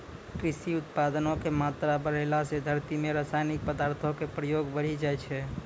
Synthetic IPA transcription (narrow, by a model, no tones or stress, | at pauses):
kɾɪsiʊt̪̚pad̪ənõkemat̪ɾabəɽelased̪ʱəɾt̪imeɾasajnik̚pəd̪aɾt̪ʰokepɾəjoɡbəɽ̤id͡ʒajt͡ʃʰɛ